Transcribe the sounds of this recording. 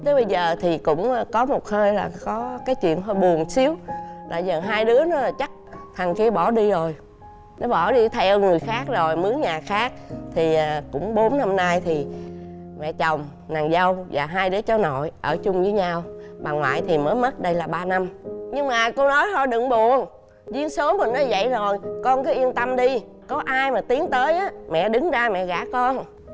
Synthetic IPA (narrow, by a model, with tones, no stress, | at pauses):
t̪ə˨˦ɓə˧jzəː˨˩t̪ʰi˨˩kʊ̰˧˥ŋ͡mkɔ˨˦mo˨˩t̚həː˧jlaː˨˩kɔ˨˦kaː˨˦jt͡ɕwḭ˧˨ənt̪ʰo˧˩jɓu˨˩ənsi˨˦əwɗa̰ː˧˩jzəː˨˩ɦaː˧jɗɨ˨˦ənɔ˨˦˨t͡ɕa˦˥k̚t̪ʰa˨˩ŋki˧əɓɔ˧˩ɗi˧zo˨˩j | nɔ˨˦ɓɔ˧˩ɗi˧t̪ʰɛ˧ŋɨ˨˩əjxaː˦˥k̚zo˨˩jmɨ˨˦əŋɲaː˨˩xaː˦˥k̚t̪ʰi˨˩˨kʊ̰˧˥ŋ͡mɓo˨˦nna˧mna˧jt̪ʰi˨˩ | mɛ̰˧˨t͡ɕə˨˩wŋ͡m | naː˨˩ŋzə˧wvaː˨˩ɦaː˧jɗɨ˨˦ət͡ɕɔ˨˦no̰˧˨jʔəː˧˩t͡ɕʊ˧ŋ͡mzəː˨˦jɲa˧wɓa˨˩ŋlwa̰ː˧˨jt̪ʰi˨˩məː˨˦jmə˦˥t̚ɗə˧jlaː˨˩ɓaː˧na˧mɲɨ˧ŋmaː˨˩ko˧nɔ˨˦jhɔ˧˩ɗɨ˨˧˩ŋɓu˧˨ən | zi˧˦ənsəː˨˦mə˨˩nɔ˨˦jzə̰˧˨jzo˨˩jkɔ˧nkɔ˨˦ʔi˧ənt̪ə˧mɗi˧ | kɔ˨˦ʔaː˧jmaː˨˩t̪i˨˦ənt̪əː˨˦jʔaː˨˦mɛ̰˧˨ɗɨ˨˦ŋzaː˧mɛ̰˧˨ɣa̰ː˧˩kɔ˧n